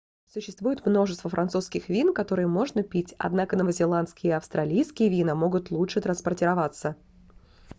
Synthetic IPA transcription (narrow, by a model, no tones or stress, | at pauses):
sʊɕːɪst̪vujɪt̪mno̞ʐɨst̪vəfɾʔɐnt̪suskʲɪxvʲinkɐt̪o̞ɾɨjəmo̞ʐnəpʲitʲɐ̰d̪nakənəvəzʲɪlˠant̪skʲɪjəiɐfst̪ɾʔɐlʲijskʲɪjəvʲinəmo̞ɡʊt̪lˠutʂɨt̪ɾənspɐrtʲɪɾɐvat̪sə